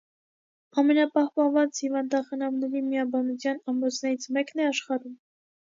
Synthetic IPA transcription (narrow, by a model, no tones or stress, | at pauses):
ɑmɛnɑpɑhpɑnvɑt͡shivɑnd̪ɑχənɑmnɛɾimiɑbɑnut͡sʰjɑnɑmɔt͡sʰnɛɾit͡sʰmɛknɛɑʃχɑɾum